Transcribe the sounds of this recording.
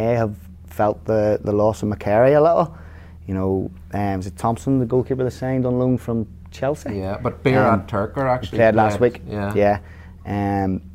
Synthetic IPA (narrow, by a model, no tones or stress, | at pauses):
eəv̥ | fɛlˠt̪̚ðəðəlɔsəvməkʰɛɹiəlɪʔl̩ˠ | jənoʊ | ʌwʌzɪtʰɒ̃mpsə̃nðəɡoʊlˠkʰipə˞ðəsãɪ̃ndə̃nlũnfɹə̃m | t͡ʃʰɛlˠsijæb̥ʌt̚b̥iɹətʰɜ˞kə˞ak̚pʰledˡlast̚wiˑkjæjæ | ʌ̃m